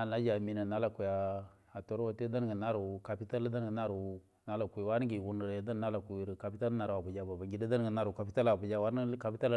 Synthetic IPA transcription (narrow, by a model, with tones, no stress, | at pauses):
a˨na˦d͡ʒa˨mi˨na˨na˦la˨ku˨ja˨ | a˨to˦ɾwa˨te˦da˦n˦ɡə˨na˦ɾu˨ka˨pi˦ta˦lda˦n˦ɡə˨na˦ɾu˨˦ | na˦la˨kʷi˨wa˦n˦ɡi˨wu˦n˨ɾe˨˦da˦n˦na˦la˨ku˨i˨ɾi˨ka˨pi˦ta˦lna˨ɾa˨bu˨d͡ʒa˦ba˨ba˨ŋɡi˨da˦da˦n˦ɡə˨na˦ɾu˨ka˨pi˦ta˦la˨bu˨d͡ʒa˦wa˦n˦ka˨pi˦ta˦l